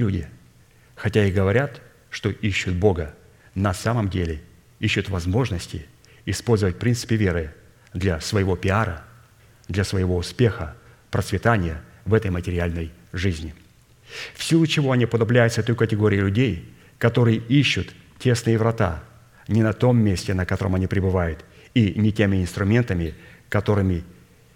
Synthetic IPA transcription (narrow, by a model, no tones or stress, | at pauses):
lʲudʲɪ | xɐtʲaiɣɡəvɐɾʲat̪ | ʂt̪o̞ʔiɕːʊt̪̚bo̞ɡə | nɐsaməmdʲelʲɪ | iɕːʊt̪vɐzmo̞ʐnəsʲtʲɪ | ɪspo̞lʲzəvət̚ʲpɾʲint̪sɨ̥pʲɪvʲe̞ɾɨ | d̪lʲɐsvəjɪvo̞pʲɪaɾə̰ | d̪lʲɐsvəjɪvo̞ʊspʲe̞xə | pɾət̪svʲɪt̪anʲɪjə | vɛt̪əjmətʲɪɾʲɪalʲnəj | ʐɨzʲnʲɪ | fsʲilˠʊt͡ɕɪvo̞ɐnʲipəd̪ɐblʲæjʊt̪sət̪ojʊkətʲɪɡo̞ɾʲɪɪlʲʉdʲej | kɐt̪o̞ɾɨjəʔiɕːʊt̪ | tʲe̞snɨjɪvɾɐt̪a | nʲɪnɐt̪o̞mːʲesʲtʲɪnəkɐt̪o̞ɾə̰mɐnʲipɾʲɪbɨvajʊt̪ | inʲɪtʲemʲɪɪnst̪ɾʊmʲe̞nt̪əmʲɪkɐt̪o̞ɾɨmʲɪ